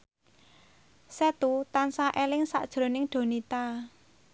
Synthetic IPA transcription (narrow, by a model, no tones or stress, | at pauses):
sɛt̪ut̪ansaʔelɪŋsa̰ʔd̥ʒ̥ɾo̤nɪŋɖ̥o̤nit̪a